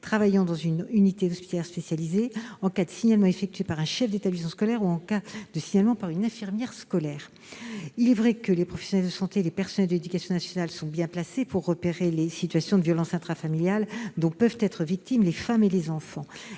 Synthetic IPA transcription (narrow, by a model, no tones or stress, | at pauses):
t̪χavajɑ̃d̪ɑ̃zynynit̪ed̪ɔspi̥t̪aljɛʁspesjalizeɑ̃kad̪əsiɲalmɑ̃efɛk̚t̪ɥepaʁɛ̃ʃɛfd̪et̪ablismɑ̃skɔlɛʁuɑ̃kad̪̥əsiɲalmɑ̃paʁynɛ̃fiʁmjɛʁskɔlɛːʁ | ilɛvʁɛkəlepχɔfɛ̥sjɔnɛld̪əsɑ̃t̪eːlepɛʁsɔnɛld̪ed̪ykasjɔ̃nasjɔnalsɔ̃bjɛ̃plasepuʁːəpeʁelesit̪ɥasjɔ̃d̪əvjɔlɑ̃sɛ̃t̪χafamiljald̪ɔ̃pœvt̪ɛt̪χəvik̚t̪imlefamelezɑ̃fɑ̃